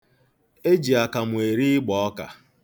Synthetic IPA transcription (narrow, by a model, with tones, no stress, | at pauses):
e˦d͡ʒi˨a˨ka˨mʊ˨e˨ɾi˦ɪ˦ɡ͡bɔ˨ɔ˦ka̰˨